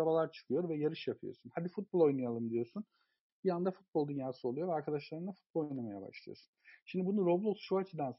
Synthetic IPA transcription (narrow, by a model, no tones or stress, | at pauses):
abalˠaɾt͡ʃʰɯ̥kʰɯjo̞ɾvɛjaɾɯʃjapʰɯjo̰sunhad̪ifut̪̚bolˠo̞jnajalˠɯmd̪ijo̞sun | biand̪afut̪̚bo̞lˠd̪ynjaːsɯo̞lˠujo̞vɛaɾkʰad̪aʃlˠaɾɯnˠafut̪bolo̞jnamajaba̰ʃlˠa̰josu̥nʃimd̪ibunuɾoblˠot̪ʃuat͡ʃʰid̪ans